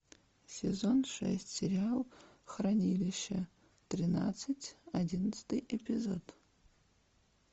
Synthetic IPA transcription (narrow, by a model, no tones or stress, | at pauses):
sʲezo̞nʂɛ̰sʲtʲsʲeɾʲialˠ | χranʲilʲɪʃɐ | trʲina̰t͡sːɨtʲadʲinɐt͡sɨ̥t̪ʰɨjepʲizo̞d